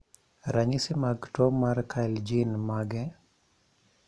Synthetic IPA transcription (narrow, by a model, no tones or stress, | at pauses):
ɾaɲisɪmaɡtɔmarkʰald͡ʒinmaɡɛ